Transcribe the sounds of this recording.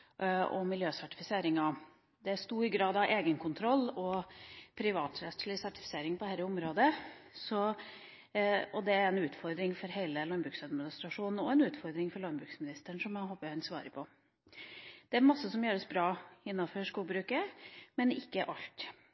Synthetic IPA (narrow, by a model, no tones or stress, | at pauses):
ɔ̰mɪljøːsæʈɪfɪseːɾɪŋɑ | d̪ɛæst̪uːɾɡɾɑːd̪ɑʔeːɡənkʰʊnt̪ʰɾɔlːɔpʰɾɪʋɑːt̪ɾɛt̪sɭɪsæʈɪ̥fɪ̥seːɾɪŋpʰɔd̪æɾəʊmɾoːd̪əsɔ | ɔd̪ɛæɾɛnʉːt̪fɔɾd̪ɾɪŋfɔɾɦeɪləlɑnbɾʉːksɑd̪mɪnɪst̪ɾɑʂuːnn̩ɔɛnʉːt̪fɔɾd̪ɾɪŋfɔɾɭɑnbɾʉːksmɪnɪst̪əɳʂɔmæɦoːpːəhɛnsʋɑ̰ːɾəpʰɔ | d̪̥ɛæɾmɑsːəsɔmjøːɾəsbɾɑːɪnːɑfɔɾʂkuːlbɾʉːkəmɛnɪkːəʔɑʎt̪